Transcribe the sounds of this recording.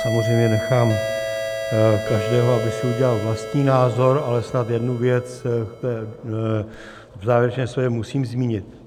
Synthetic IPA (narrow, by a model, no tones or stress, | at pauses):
samozr̝ejmɲɛnɛxaːm | kaʒdɛːɦoabɪsɛuɟɛlalvlast̪ɲiːnaːzo̞ɾalɛsnat̪jɛdnuvjɛt͡st̪ɛː | vzaːvjɛɾɛt͡ʃnɛːmsvɛcɛmusiːmzmiːɲɪt̪